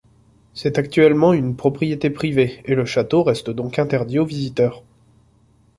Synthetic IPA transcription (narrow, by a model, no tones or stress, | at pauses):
sɛt̪ak̚t̪ɥɛlmɑ̃ynpχɔpχijet̪epχiveeləʃat̪oʁɛst̪əd̪ɔ̃kɛ̃t̪ɛʁd̪iovizit̪œːʁ